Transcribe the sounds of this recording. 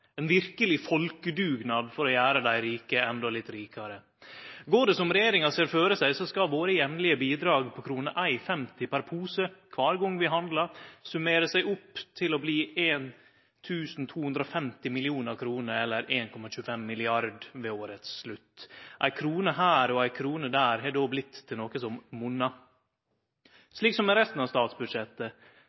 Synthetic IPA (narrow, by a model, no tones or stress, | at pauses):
ɛnʋɪɾkəlɪfɔlkəd̪ʉːɡnɑd̪fɔɾɔjæːɾəd̪æɪɾiːkəɛnd̪ɔlɪt̪ːɾiːkɑɾə | ɡoːɖ̪əsɔmɾɛjeːɾɪŋɑseːɾføːɾəsæɪsɔskɑʋoːɾəjɛmnlɪəbiːd̪ɾɑːɡpʰɔkʰɾuːnə̰ʔæɪfɛmt̪ɪpæɾpʰuːsəkʰʋɑːɾɡɔŋʋɪɦɑnd̪lɑɾsʉmeːɾəsæɪʔʊpːt̪ʰɪlɔbliːʔeːn | t̪ʰʉːsn̩t̪ʰuːhʉnd̪ɾəɔfɛmt̪ɪmɪlɪuːnəɑkʰɾuːnəɾɛlːəɾeːnkʰɔmɑʃʉːəfɛmːɪlɪɑɾd̪ʋeːoːɾət̪sslʉt̪ːʔæɪkʰɾuːnəɦæːɾɔæɪkʰɾuːnəd̪æːɾɦɛːd̪oːblɪt̪ʰːɪlnoːkəsɔmmʊnːɑ | sliːksɔmːɛɾɛst̪n̩ɑʋst̪ɑːt̪sbʉd̪ʂɛt̪ːə